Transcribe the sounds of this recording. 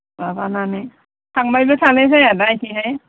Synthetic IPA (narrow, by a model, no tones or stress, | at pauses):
babananɯ | sʰaŋbajbesʰalesajadajkiɦaj